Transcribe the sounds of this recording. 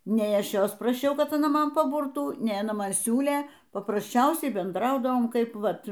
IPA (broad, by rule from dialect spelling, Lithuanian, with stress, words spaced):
ˈnʲɛɪ ˈɐʃ ˈjoːs prɐˈʃʲɛʊ kɐt ɐˈnɐ ˈmɐn pɐˈbʊrtuː ˈnʲɛɪ ɐˈnɐ ˈmɐn ˈsʲuːlʲeː pɐprɐsʲˈt͡ʃʲɛʊsʲɛɪ bʲɛnˈdrɐʊdɐʋoːm ˈkɐɪp ˈʋɐt